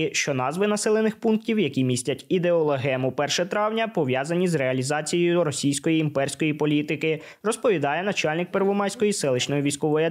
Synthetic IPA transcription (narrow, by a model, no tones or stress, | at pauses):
ʃt͡ʃɔnɑzʋɪnɐsɛlˠenɪxpunktʲiwjɐkʲimʲisʲtʲɐtʲid̪eɔlˠɔɦɛmʊpɛrʃɛt̪ɾɑwnʲɐpɔʋʲjɑzɐnʲizreɐlʲizɑt͡sʲijejʊɾɔsʲijsʲkɔjiːmpɛrʲsʲkɔjipɔlʲit̪ɪkɪ | rɔspɔʋʲid̪ɑjɛnɐt͡ʃɑlʲnɪk̚pɛrʋɔmɑsʲkɔjisɛlˠɪt͡ʃnɔjɔʋʲijsʲkɔʋɔjɐ